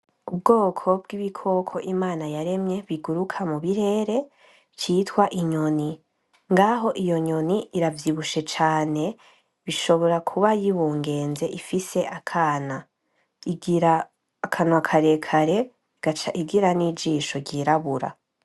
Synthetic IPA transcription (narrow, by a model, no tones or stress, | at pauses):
ub̚ɡo̞ːkʰo̞b̚ɡiβikʰo̞kʰo̞ʔimaːnajaɾe̞mɲe̞βiɡuɾukʰamuβiɾe̞ːɾe̞ | t͡ʃiːtwaʔiɲo̞ni | ŋɡaɦo̞ʔijo̞ɲo̞niiɾavjiβuʃe̞t͡ʃaːne̞ | βiʃo̞βo̞ɾakʰuβajiβuːŋɡe̞ːnze̞ʔifise̞ʔakʰaːna | iɡɾaː | kʰanwakʰaɾe̞kʰaɾe̞ | ɡ̥at͡ʃaiɡiɾanid͡ʒiːʃo̞ɟiɾaβuɾa̰